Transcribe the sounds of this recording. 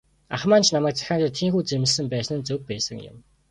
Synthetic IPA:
a̰χmaːnt͡ɕʰnamæːk̚t͡sḁxʲaːt̪ə̆t̪ʰːiːŋxuːt͡semɪ̆ɮsɘ̆mpæːsnɘ̆nt͡sɵk̚pæːsə̰̆ŋjʊ̰m

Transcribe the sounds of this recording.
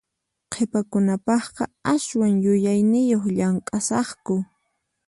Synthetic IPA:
qʰepakʊnapɑχqɑaswaŋjʊjajnɪjoχʎaŋkʼasɑχkʊ

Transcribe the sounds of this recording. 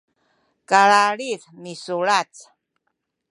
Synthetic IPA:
kaɭaɺiðmisuɭat͡s

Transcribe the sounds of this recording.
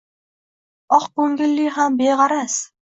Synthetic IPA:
ɒqkɵŋɡʲɪlːɪɦambeʁɑɾas

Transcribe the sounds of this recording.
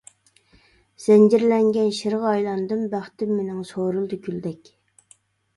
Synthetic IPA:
z̥ɛnd͡ʒiɾlɛŋɡʲɛnʃiɾʁɑjlˠɑnd̪ɨmbæχt̪ɪmːenɪŋsoːɾɨlˠd̪ykʲʰyld̪ɛkʲ

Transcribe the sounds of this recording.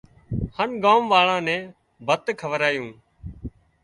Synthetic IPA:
hənɡaːmʋaːɭãːnɛ̃ː | bʱət̪kʰəʋəɾaːjũː

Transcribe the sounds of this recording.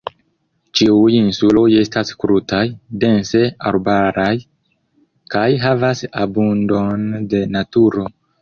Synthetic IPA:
t͡ʃiujinsulo̞je̞staskɾutajde̞nse̞a̰ɾbaɾaj | kajɦavasabundo̞nde̞natuɾo̞

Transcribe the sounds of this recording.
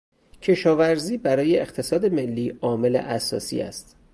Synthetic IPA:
cʰe̞ʃɒːvæɾziːbæɾɒːje̞eχt̪ʰe̞sɒːd̪e̞me̞lːiːɒːme̞le̞̰ʔæsɒ̰ːsḭːæ̰st̪

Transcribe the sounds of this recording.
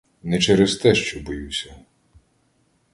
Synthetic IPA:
nɛt͡ʃɛɾezt̪ɛʃt͡ʃɔbɔjuwsʲɐ

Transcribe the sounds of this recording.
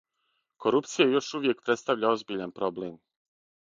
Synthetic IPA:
ko̞ɾupt̪sijajo̞ʃuʋjek̚pɾe̞t̪st̪aʋʎao̞zbiʎanpɾo̞blem

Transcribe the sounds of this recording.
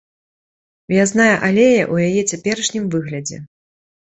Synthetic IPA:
vʲaznajɛʔalʲejɐ̰ʔujajɛt͡sʲapʲɛɾɐʂnʲimvɨɣlʲɐd͡zʲɛ̰

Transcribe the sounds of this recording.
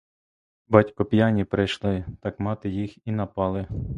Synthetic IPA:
bɑtʲkɔpʲjɑnʲipɾɪjʃlˠɪt̪ɑkmɑt̪ɪjixinɐpɑlˠɪ

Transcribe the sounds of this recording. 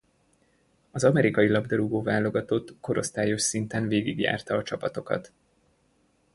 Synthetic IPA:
ɒzɒmɛɾikɒjilɒbd̪ɒɾuɡoːvaːlo̞ɡɒt̪ot̪ːko̞ɾo̞st̪aːjo̞ʃsint̪ɛnveːɡiɡja̰ːrt̪ɒːt͡ʃɒpɒt̪o̞kɒ̰t̪

